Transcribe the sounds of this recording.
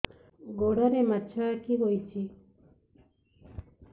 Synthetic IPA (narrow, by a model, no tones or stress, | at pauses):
ɡoɽaɾematːt͡ʃʰakiɦojt͡ʃʰi